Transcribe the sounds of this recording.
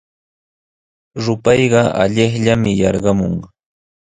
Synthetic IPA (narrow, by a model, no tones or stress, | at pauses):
ɾʊpɑjɢɑa̰ʎɪχʎamɪjɑɾɢɑmoŋ